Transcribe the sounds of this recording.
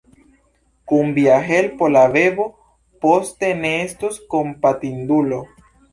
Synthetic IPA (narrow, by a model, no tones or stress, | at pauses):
kumbjaɦelpolaβeβo | post̪eneest̪oskompat̪ind̪ulo